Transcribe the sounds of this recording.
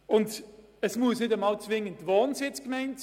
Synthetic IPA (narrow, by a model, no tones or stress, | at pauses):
ʊnd | əsmuəsnɪdəmɑːlt͡svɪŋːəntʋɔːnsɪt͡skmɛɪnts